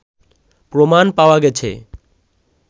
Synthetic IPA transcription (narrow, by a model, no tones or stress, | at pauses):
pɾomanpaoaɡɛt͡ɕʰḛ